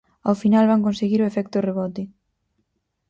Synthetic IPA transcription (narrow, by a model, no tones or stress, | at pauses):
a̰wfinalβaŋkõnseɣiɾoefɛk̚t̪oreβɔt̪ɪ